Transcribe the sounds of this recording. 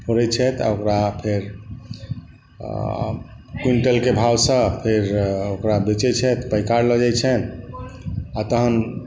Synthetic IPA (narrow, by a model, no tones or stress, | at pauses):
hoɾɛt͡ʃʰɛt̪a̰okɾapʰeɾ | kwiɳʈəlkebʱawsə̃pʰeɾokɾabet͡ʃɛt͡ʃʰɛt̪pəjkaɾləd͡ʒajt͡ʃʰɛn | at̪əɦən